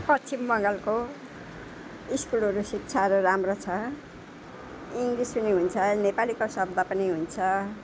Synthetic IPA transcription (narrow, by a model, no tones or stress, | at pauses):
pʌt͡sʰimːʌŋɡʌlko | iskulʌɾusik̚t͡sʰaʌɾuramrot͡sʰʌ | iŋɡrisʌniɦunt͡sʰʌnepalikosʌb̚d̪ʱapʌniɦunt͡sʰʌ